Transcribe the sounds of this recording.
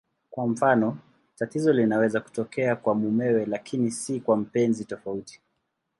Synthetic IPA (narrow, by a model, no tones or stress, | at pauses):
kwam̩fanɔ | tatizɔlinawɛzaku̥tɔkɛakwamumɛwɛlakʰinisikwam̩pɛnzitɔfauti̥